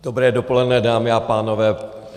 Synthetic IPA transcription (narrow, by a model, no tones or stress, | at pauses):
dobɾɛːdopolɛdnɛdaːmɪapaːnovɛː